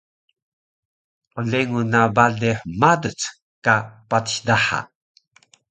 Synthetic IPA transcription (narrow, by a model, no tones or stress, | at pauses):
ʔoleŋunabaɮeħmadət͡s | kapat̪i̥ɕd̪aħa̰